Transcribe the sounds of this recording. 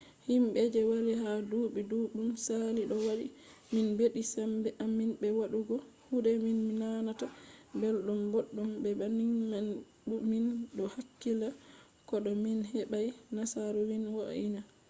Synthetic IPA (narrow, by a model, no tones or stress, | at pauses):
himɓɛd͡ʒɛwaliɦaduːɓiduɗumsaliɗɔwaɗi | minbeɗisambɛʔaminbɛwaɗuɡɔhudɛminminanatabɛlɗumboɗːumbɛbaniŋman | uminɗɔhakːila | kɔɗɔminɦɛɓajnasaɾɔwinwaʔina